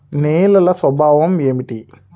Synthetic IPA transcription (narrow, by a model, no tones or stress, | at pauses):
neːlɐlɐswɐbʱaːʋɐmeːmiʈi